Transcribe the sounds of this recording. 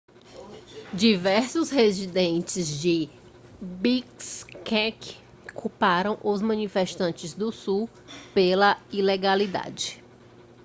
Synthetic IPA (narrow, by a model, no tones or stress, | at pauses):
d͡ʒivɛɾsʊshezid̪ẽnt͡ʃɪzd͡ʒɪ | bikskɛk | kʰupaɾɐ̃w̃ʔʊzmɐ̃nifeʃt̪ɐ̃nt͡ʃɪzd̪ʊsu | pelɐileɡalid̪a̰d͡ʒɪ